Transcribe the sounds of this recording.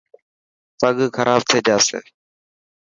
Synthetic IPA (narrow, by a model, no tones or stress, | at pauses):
p̪əɠkʰəɾʔaːbt̪ʰeːd͡ʒaːsḛː